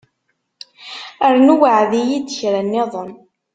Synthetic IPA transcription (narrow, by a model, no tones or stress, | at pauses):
əɾnuwəʕðijid̪əçɾænːeðˤən